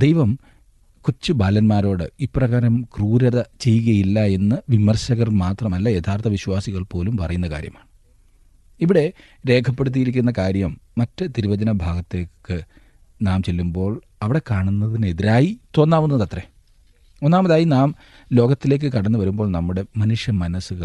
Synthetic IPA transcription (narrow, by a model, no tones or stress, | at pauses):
d̪e̞jʋɐm | kut͡ɕːɨbaːlɐnmaːɾo̞ːɽɨiprɐɣaːɾɐmkruːɾɐðɐt͡ɕe̞jːuɣɐjilːɐe̞nːɨʋimɐrɕɐɣɐrmaːt̪rɐmɐlːɐjet̪ʰaːrt̪ʰɐʋiɕwaːsiɣɐɭpo̞ːlumpɐrɐjunːɐka̰ːɾjɐ̰maːɳɨ | iʋiɽe̞ | ɾe̞ːkʰɐpːe̞ɽut̪̬ːijiɾikʲːunːɐkaːɾjɐmːɐtːɨt̪iɾuʋɐd͡ʑɐnɐbʱaːɡɐt̪ːe̞ːkːɨ | naːmt͡ɕe̞lːumbo̞ːɭ | ɐʋiɽe̞kaːɳunːɐðine̞ðiɾaːjit̪o̞ːnːaːʋunːɐðɐt̪re | onːaːmɐðaːjinaːm | lo̞ːɡɐt̪ːile̞ːk̬ːɨkɐɽɐnːɨʋɐɾumbo̞ːɭnɐmːuɽe̞mɐnuʂjɐmːɐnɐsɨɣɐ